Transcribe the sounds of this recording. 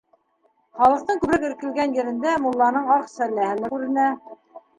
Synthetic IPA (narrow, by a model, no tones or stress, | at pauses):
χɑlˠɤ̆qt̪ɤɴkʉbɾækɘ̆ɾkɘ̆lɡænjɘ̆ɾɘ̆nd̪æmulˠːɑnɤɴɑqsælːæhɘ̆mɘkʉɾɘ̆næ